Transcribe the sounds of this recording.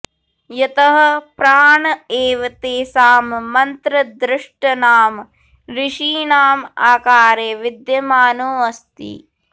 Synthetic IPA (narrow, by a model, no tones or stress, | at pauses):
jɐt̪ɐɦɐ̆pɾaːɳɐeːʋɐt̪eːsaːmːɐnt̪ɾɐd̪ɾɪʂʈɐnaːm | ɾiʂiːnaːmaːkaːɾeːʋid̪jɐmaːnoːɐst̪ḭ